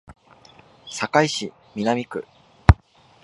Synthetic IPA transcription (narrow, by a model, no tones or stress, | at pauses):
sakaiɕi | mʲinamʲikɯ̟̰